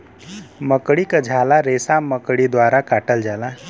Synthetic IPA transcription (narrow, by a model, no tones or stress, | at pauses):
məkɽikad͡ʒʱaːlaɾeːsaməkɽid̪waːɾakaːʈəld͡ʒala